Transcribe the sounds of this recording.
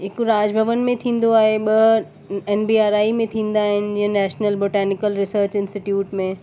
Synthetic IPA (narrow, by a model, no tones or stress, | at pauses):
ɦɪkɾaːd͡ʑbʱəʋənmẽt̪ʰĩːn̆d̪oaːɦeɓɐ | ɛːnbiːaːɾaːimẽt̪ʰĩːnd̪aːɦɪnɪ̆d͡ʑɪ̃ɦə̃nɛːʃnəlboːʈɛːnɪkəlɾɪsəːɾt͡ɕɪ̃nsʈɪʈjuːʈmẽ